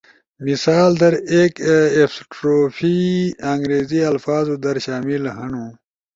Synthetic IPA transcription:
misaːld̪ɐɾeːkefsʈɾoːfʰiɐŋɡɾeːziɐlfaːzud̪ɐɾɕaːmilɦɐɳũː

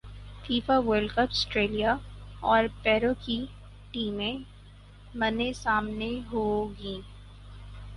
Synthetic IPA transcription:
fiːfaʋəːɾlɖkəpsʈɾeːlijaɔːɾpɛːɾoki | ʈiːmẽ | mɐnesaːmneɦoːɡĩː

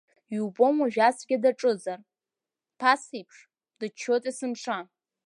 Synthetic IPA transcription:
ubo̞maʒᶣasɡʲadaʈ͡ʂʼɨzar | pʰasijpʰʂ | d̥ɨt͡ʃʰːotʼisɨmʂa

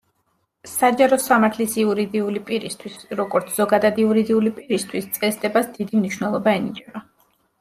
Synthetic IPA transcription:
sad͡ʒaɾɔsamaɾt̪ʰlisiuɾid̪iulipʼiɾist̪ʰwisɾɔɡɔɾt̪sʰz̥ɔɡad̪ad̪iuɾid̪iulipʼiɾist̪ʰwist̪sʼɛsd̪ɛbasd̪id̪imniʃwnɛlˠɔbaɛnit͡ʃʼɛba

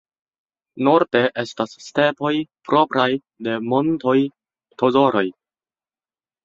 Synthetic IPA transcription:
no̞ɾde̞ʔe̞stasːte̞po̞jpɾo̞pɾaj | de̞mo̞nto̞j | tʰo̞zo̞ɾo̞j

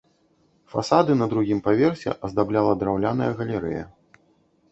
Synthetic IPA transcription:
fa̰sad̪ɨnɐd̪ɾuɣʲimpavʲɛrsʲɛ̰ʔɐzd̪ablʲalˠɐd̪ɾawlʲan̪ɐjɐɣɐlʲɛɾɛ̰jɐ̰

